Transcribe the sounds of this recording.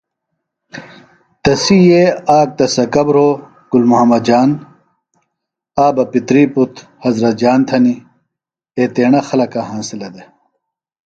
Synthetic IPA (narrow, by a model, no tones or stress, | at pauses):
t̪ɐsijeaːk̚t̪ɐsɐkɐbɾoː | ɡ̥ulmuɦɐmːɐd̪̚d͡ʑaːn | aːbɐpit̪ɾiːput̪hɐzɾɐt̪̚d͡ʑaːnt̪ʰɐni | et̪eːɳɐxɐlɐkɐɦãːnsilɐd̪e